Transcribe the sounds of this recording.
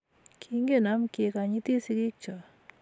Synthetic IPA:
kʰi˦ŋɡe˦˨na˦mke˨ka˨ɲi˦t̪e˦sɪ˦kɪ˦k̚t͡ʃɔ˨

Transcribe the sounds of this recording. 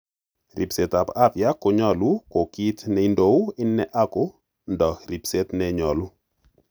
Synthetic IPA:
ɾʔḭ˨pse˨ta˨pa˦pja˦ko˨ɲɔ˦lu˦ko˨ki˦tnɛ˦i˦ndo˦ɪ˦nːɛ˦ʔa˦ko˦ | ndɔ˨kɾi˨pse˦tnɛɲɔ˨lu˦

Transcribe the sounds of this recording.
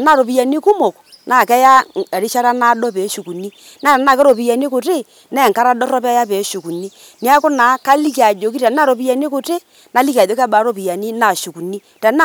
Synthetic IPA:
na˦˨ɾo˨pi˨ja˨ni˦kʊ˦mo˨k | na˨kɛ˦ja˦˨ɾi˦ʃa˦ɾa˦na˦dɔ˦pe˨˦ʃu˨ku˨ni˦ | na˦˨a˨na˦˨kɛ˦ɾo˨pi˨ja˨ni˦kʊ˨te˦˨ | nɛ˦˨ŋka˦ɾa˦dɔ˦rɔ˦pa˦ja˦pɛ˨˦ʃu˨ku˨ni˦ | ni˦a˦kʊ˦na˨˦ka˦li˦ka˨d͡ʒo˨˦ki˦ta˨˦na˦˨ɾo˨pi˦a˨ni˦kʊ˨te˦ | na˨˦li˦ka˨d͡ʒo˨˦ka˦ɓa˨˦ɾo˦pi˨ja˨ni˦na˨ʃu˨ku˨ni˦ | ta˨na˦˨

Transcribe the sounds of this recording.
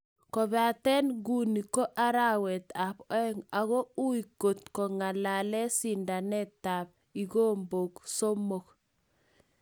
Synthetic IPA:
kɔ˨βa˨tɛ˦nɡu˦ni˨ko˦ʔa˦ɾa˦wɛ˨t̪a˨pɛ˦ŋa˨ɣɔ˦u˦i˨ko˨tkɔ˨ŋa˨la˨lɛ˦si˨nda˨nɛ˦ta˨p̚ | i˨ɣo˦mbo˨kso˦mo˨k

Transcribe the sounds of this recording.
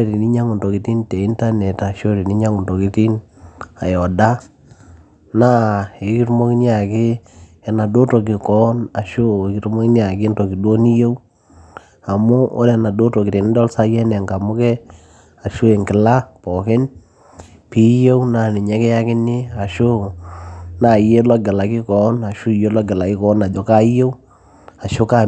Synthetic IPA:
ɾi˨ni˦ɲa˦ŋʊ˨ndo˨ki˨˦ti˦nte˨i˦nta˦nɛ˨ta˨ʃo˦ɾi˨ni˦ɲa˦ŋʊ˨nto˨ki˨˦ti˦n | a˨jɔ˨da˦ | na˦ɪ˨ki˦tmo˦ki˦nja˨kɪ˦ | ɛ˨na˨do˦to˨k̬ɪ˨kɔ˦na˨ʃo˦˨kɪ˦tmo˦kɪ˦n˦a˨kɪ˦nto˨ki˨do˦ni˦je˦w | a˨mʊ˦o̰˦lɛ˨na˨do˦to˨kɪ˨te˨nɪ˦dɔ˦lsa˦jɛ˦nɛ˨ŋɡa˨mʊ˦kɛ˦ | a˨ʃo˦e˨ŋɡɪ˨la˦pɔ˨kɪ˦n | pi˦je˦wna˨nɪ˨ɲɛ˦kɛ˦ja˦kɪ˦nɪ˦a˨ʃo˦ | na˨je˦lɔ˦ɡɛ˨la˨ki˦kɔ˨˦na˨ʃu˦˨je˦lɔ˦ɡɛ˨la˨kɪ˦kɔ˨˦na˨d͡ʒɔ˦ka˦je˦w | a˨ʃo˦ka˦

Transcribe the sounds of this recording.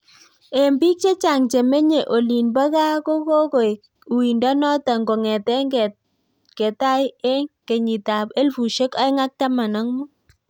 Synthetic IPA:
e˨mbi˦k̚t͡ʃe˦t͡ʃa˨ŋt͡ʃe˨me˦ɲe˨ʔo˨li˨nba˦ka˦ko˦ko˦ko˨j | u˨wi˨ndɔ˦nɔ˦ta˨ŋɡo˨ŋɛ˨tɛ˦ŋɡ | ke˨ta˦je˦ŋke˨ɲi˨ta˨pe˦lfu˨ʃe˦ka˦ŋa˦k̚ta˦ma˨nɔ˦ŋmɔ˦

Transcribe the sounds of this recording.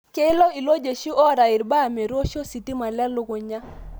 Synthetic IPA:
ke˦ɪ˦lɔ˦i˨lo˦d͡ʒe˨ʃi˦ʔɔ˦ɾa˨ɪ˨ɾba˦˨mɛ˨ɾwo˦ʃo˦si˨ti˦ma˨lɛ˦lʊ˦ɡo˨ɲa˦

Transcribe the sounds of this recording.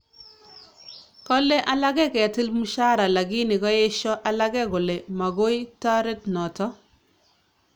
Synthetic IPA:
kɔ˦le˦ʔa˦la˦ɡɛ˦kɛ˨tɪ˦lmu˦ʃa˦ɾa˨la˨ɡi˦nɪ˨ɡɔ˦je˦ʃɔ˦ʔa˨la˦ɡɛ˦ɡo˨le˨ma˨ɡo˦jta˦ɾe˦tnɔ˨tɔ˦

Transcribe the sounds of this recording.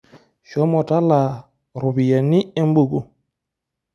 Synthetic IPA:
ʃɔ˦mɔ˨ta˦la˨ | ɾu˨bi˨ja˨ni˦ɛ˦m˦bu˨ɡu˦

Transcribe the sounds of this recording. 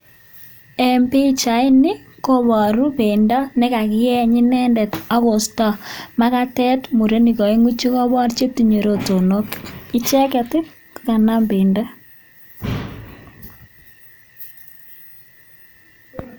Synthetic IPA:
ɛ˨mpi˦t͡ʃa˨ɪ˦nɪ˦ko˦βɔ˨ɾu˦be˨ndɔ˦nɪ˦ka˨kɪ˦ɛ˦ɲɪ˦nɛ˦ndɛ˨tɔ˦ɣɔ˨stɔ˨ma˦ka˦tɛ˦tmu˨ɾe˦ni˨kɔ˨e˦ŋu˦t͡ʃi˦ko˦βɔ˦ɾt͡ʃe˦ti˨ɲo˨ɾo˦to˨no˦ki˦t͡ʃɛ˦kɛ˨tɪ˦p | ka˨na˦mbe˨ndɔ˦

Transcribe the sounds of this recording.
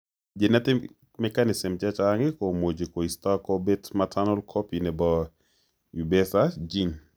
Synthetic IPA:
d͡ʒe˨na˦tɪ˦ | mɛkanɪ˨sɪ˨mt͡ʃat͡ʃaŋɪko˨mo˨d͡ʒe˨ko˨ista˦kɔ˦betmatʰanɔ˦lkʰɔpi˨nɛ˨bɔ | i˨bɛsad͡ʒi˦n

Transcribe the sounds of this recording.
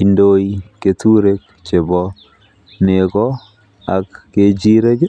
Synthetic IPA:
i˨ndo˦i˦ke˨tu˦ɾe˦k | t͡ʃe˨bɔ˦ | ne˨kɔ˦ | a˨kːe˨d͡ʒi˦ɾe˦ɡ

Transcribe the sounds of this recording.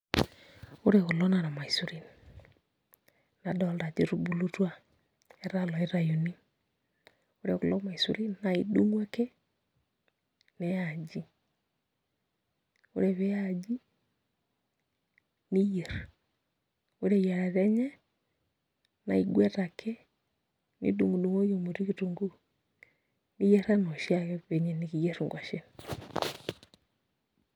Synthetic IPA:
o˦ɾe˨ɣʊ˨lɔ˦na˨ɾa˨ma˨i˨su˨ɾi˦n | na˨dɔ˨la˨d͡ʒi˦ɾu˦bu˦lo˦twa˦˨ | ɛ˦ɾa˦lɔ˨ɛ˦ɾa˨jo˨ni˦ | o˦ɾe˨ɣʊ˨lɔ˦ma˨i˨sṵ˨ɾi˦nna˨i˨du˦ŋwa˦ke˦ | nɛ˨ja˨d͡ʒi˦ | o̰˦ɾe˨βe˦a˨d͡ʒi˦ | ni˦je˨ɾa | o˦ɾeja˨ɾaɾɛ˦ɲɛ˦ | na˨iɡwɛ˦takʰɛ˦ | nḭ˦du˨ŋɡu˨du˨ŋo˦jo˨mo˨ɾi˦ɣi˨tu˨ŋɡu˦ | ni˦jɛ˦ɾa˦nɔ˨ʃiaɣɛβɛ˨ɲɛ˨ni˨ɣi˨jɛ˦ɾu˨ŋɡwa˨ʃe˦ni

